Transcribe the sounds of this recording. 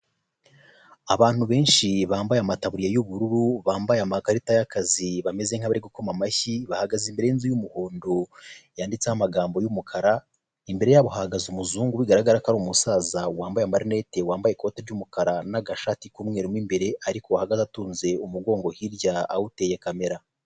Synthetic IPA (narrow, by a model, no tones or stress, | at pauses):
aβaːn̥huβe̞ːnʃiβaːmbajamataβuɾijajuβuɾuɾuβaːmbajamakaɾitajakaziβame̞ze̞ŋ̥haβaɾiɡuko̞mamaçiβahaɡazimbe̞ɾe̞jinzujumuho̞ːndojaːndit͡sehamaɡaːmbo̞jumukʰaɾa | imbe̞ɾe̞jaβohahɡazumuzuːŋɡuβiɡaɾaɡaɾakaɾuːmusaːzawaːmbajamaɾine̞te̞waːmbajeko̞teɾɟumukaɾanaɡaʃaːtikumŋe̞ːɾimwiːmbe̞ɾe̞ʔaɾikowahaɡazatuːnze̞umuɡo̞ːŋɡo̞hiɾɟaawute̞jekame̞ɾa